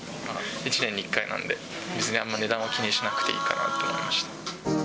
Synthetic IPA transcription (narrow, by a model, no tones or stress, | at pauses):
ait͡ɕinẽ̞ɲ̟ːikːainã̰nd̪e̞ | mʲit͡sɨɲ̟iãmːaine̞d̪ãɰ̃akʲiɲʲĩːɕinakɯ̥t̪e̞ḭːkana̰ːt̪ːoma̰ḭmaɕi̥t̪ḁ